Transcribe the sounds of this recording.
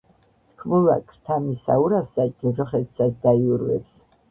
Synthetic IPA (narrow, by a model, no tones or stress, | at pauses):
t̪ʰkʰmula̰kʰʼɾt̪ʰamisa̰uɾafsad͡ʒʼɛʒɔχɛt̪sasd̪aiuɾwɛ̰ps